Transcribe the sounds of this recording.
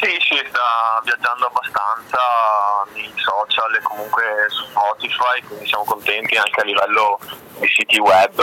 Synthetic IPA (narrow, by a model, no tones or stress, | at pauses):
sisist̪avjad͡ʒːand̪oabːast̪ant̪sanejsɔːt͡ʃalekːomuŋkwesu̥spɔːt̪ifajkwind̪isjaːmokont̪ɛnt̪iaŋkealːivɛlːo | d̪isiːt̪iwɛbː